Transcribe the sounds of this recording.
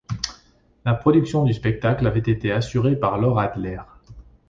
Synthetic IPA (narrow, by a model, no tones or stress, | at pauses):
lapχɔd̪yksjɔ̃d̪yspɛk̚t̪aklavɛt̪et̪easyʁepaʁlɔʁad̪lɛʁ